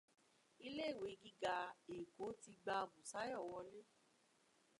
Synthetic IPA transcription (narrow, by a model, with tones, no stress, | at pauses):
i˧le˦˨we˨˦ɡi˦ɡa˨˧e˨ko˨˦ti˧ɡ͡ba˧˨bũ˨sa˨˦jɔ˦˨wɔ˧le˦